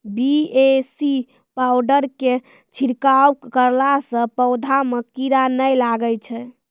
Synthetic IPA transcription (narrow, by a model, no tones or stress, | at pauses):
biesi | pawɖəɾke | t͡ʃʰiɾkawkəɾlasə̃pəwd̪ʱamekiɾanəjlaɡət͡ʃʰɛ